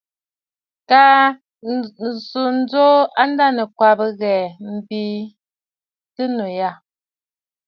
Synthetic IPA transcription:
ka˦˨ | su˨n̩˦d͡zo˦a˦n˦da˦nə˨kwa˨bə˦ɣɛ˨m̩˨bi˦ | tə˦no˨ja˦˨

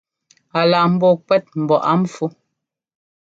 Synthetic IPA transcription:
a˨la˨m̩˦bɔ˦˨kwɛ˦t̚m̩˨bɔ˨ʔa˦m̩˦fu˦

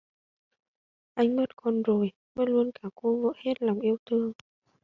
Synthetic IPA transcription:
ʔa˧jŋ̟mə˦˥t̚kɔ˧nzo˨˩j | mə˦˥lu˧ənkaː˧˩ko˧və̰ː˧˥he˦˥t̚la˨˩wŋ͡mʔi˧əwt̪ʰɨ˧əŋ

